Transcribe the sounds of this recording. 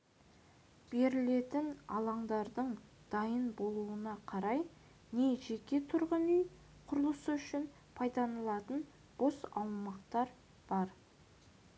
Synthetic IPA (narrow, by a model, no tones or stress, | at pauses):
b̥e̞ɾɪle̞t̪ɪnɑ̰lˠɑɴd̪ɑɾd̪əɴ | d̪̥ɑjənbo̞lˠuənɑqʰɑɾɑj | ne̞ʒe̞kʲe̞t̪ʰʊɾʁənʏj | qʰʊɾlˠəsəʏʃɪn | pʰɑjd̪ɑnəlˠɑt̪ən | b̥o̞sɑwmɑqt̪ɑɾ | b̥ɑɾ